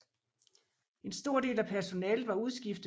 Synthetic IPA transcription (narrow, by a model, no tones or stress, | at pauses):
e̝nsd̥o̝ɐ̰d̥e̝̰ːlæpʰæɐso̝nɛːləʋɑ̈uð̞ˠsɡ̥ifd̥